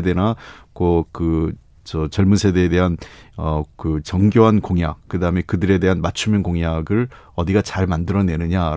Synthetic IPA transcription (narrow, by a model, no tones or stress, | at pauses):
ede̞nakokɯ | t͡ɕʌt͡ɕʌɭmunsʰe̞de̞ːde̞ɦanʌkɯt͡ɕʌŋɡjoɦankoŋja̰k̚k͈ɯdaɦɯme̞kɯdɯɾe̞de̞ɦanmat͡ɕʰumjɯnkoŋjaɡɯɭ | ʌdiɡat͡ɕaɭmandɯɾʌne̞nɯɲaɾ